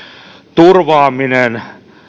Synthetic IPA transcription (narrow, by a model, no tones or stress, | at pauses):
t̪urʋɑːminen